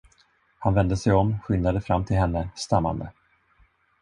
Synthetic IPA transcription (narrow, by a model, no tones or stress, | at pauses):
hanvɛnd̪əsɛjɔmːɧʏnːad̪əfɾamːt̪ʰɪlɦɛnːəst̪amːa̰nd̪ə